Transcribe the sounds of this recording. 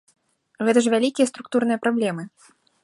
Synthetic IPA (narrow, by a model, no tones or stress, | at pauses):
ɣɛt̪ɐʐ̬vʲalʲikʲijɐst̪ɾuk̚t̪uɾnɨjɐpɾablʲɛmɨ